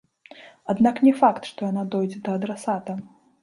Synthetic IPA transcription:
ad̪naknʲɛfakt̪ʂt̪ɔjanad̪ɔjd͡zʲɛd̪ɐːd̪ɾasat̪ɐ

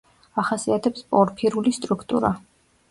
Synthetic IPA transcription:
aχasiat̪ʰɛpspʼɔɾpʰiɾulist̪ʼɾukʰt̪ʼṵɾa

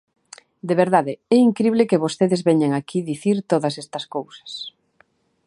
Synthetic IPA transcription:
d̪eβeɾðaðeɛiŋkɾiβlekeβost̪eðezβɛɲaŋakʰiðiθiɾt̪oðɐsɛst̪ɐskowsɐ̥s

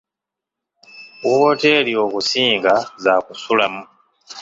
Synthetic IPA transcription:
wote̞lio̞ːkusiːŋɡazakusulamu

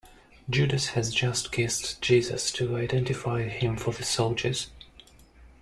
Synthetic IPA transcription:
d͡ʒʉdɨshɨzd͡ʒʌstɡʰɛstd͡ʒ̥izɨ̰stʰɨaɪdɛ̃ntɨfaɪhɪ̃mfə˞ðɨsoʊlˠd͡ʒə˞z̥

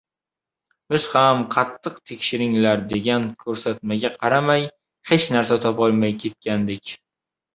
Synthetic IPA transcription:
bɪz̥hamqʰɑt̪ʰːɨqt̪ʰe̞kʲʃɪɾɪŋlaɾd̪e̞ɡʲankʲʰɵɾsat̪̚maɡʲaqʰɑɾamaj | he̞t͡ʃnaɾsat̪ʰɒpɒlˠmajkʲʰe̞t̪̚kʲand̪ɪkʲ

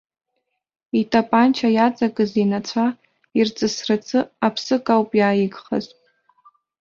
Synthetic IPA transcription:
itʼʰapʼant͡ʃʰajat͡sʼakʼɨzinat͡sʷʰa | irt͡sʼɨsrat͡sʰɨapʰsɨkʼawpʼjaːjɪɡχa̰z

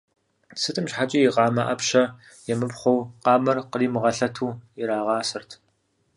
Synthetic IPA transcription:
sɨtʼɨmɕħat͡ʃʼijiqɑːmɐʔɐpɕɐ | jɛmɨpχʷɔwqɑːmɐrqəriːmɨʁɐɬɐtʰuːɪɾaːʁɑːsɨrtʰ

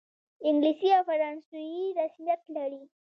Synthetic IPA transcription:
ɪŋɡlisiawfaɾɑnsujiɾasmjat̪laɽi

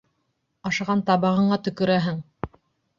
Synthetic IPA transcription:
ɑʃɑʁɑnt̪ɑβɤ̆ʁɤ̆ɴɑt̪ɵ̆kɵ̆ɾæɦɘŋ

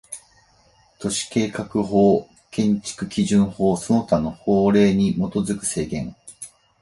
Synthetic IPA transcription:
t̪o̞ɕi̥ke̞ːkakɯ̟ɦo̞ː | kẽ̞ɲ̟t͡ɕi̥kɯ̟kʲiʑɨ̃ɰ̃ho̞ːsono̞t̪ano̞hoːɾe̞ːɲ̟imo̞t̪o̞zɨkɯ̟̥se̞ːɡẽ̞ŋ

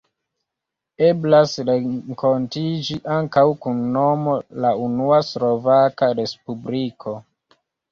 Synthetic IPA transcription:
e̞blasɾeŋko̞ntid͡ʒiʔaŋkawkunːo̞mo̞launuaslo̞vakaɾe̞spublikʰo

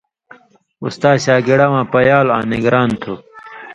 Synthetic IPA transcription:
ṵst̪aːɕaːɡiɽɐwãːpɐjaːlã̰ːniɡɾaːnt̪ʰu

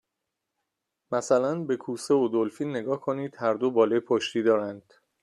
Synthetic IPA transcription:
mæsælænbe̞kʰuːse̞od̪olfiːnːe̞ɡɒːhkʰo̞niːd̪̥hæɾd̪obɒːlɒjpʰoʃt̪iːd̪ɒːɾænd̪̥

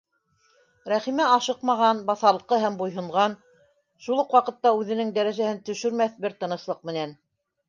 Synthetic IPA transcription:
ɾæχimæɑʃɤqmɑʁɑnbɑθɑlˠɤqɤɦæmbujɦɤ̆ɴʁɑn | ʃulˠɤqwɑqɤ̆t̪ːɑʉðɘ̆nɘŋd̪æɾæʒæhɘnt̪ɵ̆ʃɵ̆ɾmæθbɘɾt̪ɤ̆nɤ̆ʃlˠɤq̚mɘ̆næn

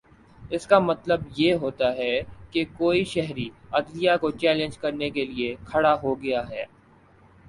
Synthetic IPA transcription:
ɪskamɐt̪ləbjeːɦoːt̪aɦɛkekoːiʃɛɦɾiɐd̪lijakot͡ʃɛːlɪ̃nd͡ʒkɐɾnekeliekʰɐɽaɦoɡɐjaɦɛː

